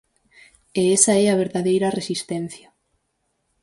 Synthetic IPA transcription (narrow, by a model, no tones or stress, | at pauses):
eesɐɛɐβ̞eɾðaðejɾɐresist̪ɛn̟θjɐ